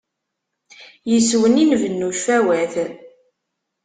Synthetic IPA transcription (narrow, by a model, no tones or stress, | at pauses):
jəswəninvənːuʃfæwæθ